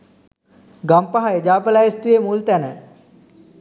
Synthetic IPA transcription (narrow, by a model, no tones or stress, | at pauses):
ɡampaɦaed͡ʒaːpəlajest̪ujemult̪ænə